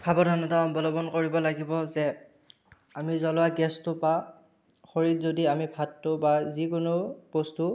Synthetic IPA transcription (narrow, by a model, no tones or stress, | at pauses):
bʰʱabɔdʱɔnɔtaɔbɔlɔbɔnkoɹibɔlaɡibɔzɛ | amizɔlʊaɡɛstʊpa | xoɹitzodiamibʱatːʊbazikʊnʊpostu